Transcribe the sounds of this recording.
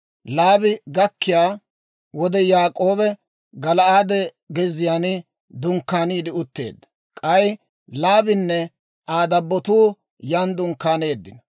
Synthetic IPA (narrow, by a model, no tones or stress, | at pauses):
laːbɪɡɐkːɪjaː | wɔd̪ɛjaːkʼo̞ːbɛ | ɡɐlɐaːd̪ɛ | ɡɛzɪjaːnɪ | d̪ʊŋkːaːniːd̪ɪʊt̪ːe̞̰ːd̪ːɐ | kʼɐj | laːbɪnːɛ | aːd̪ɐbːɔt̪uː | jand̪ʊŋkːaːne̞ːd̪ːɪnɐ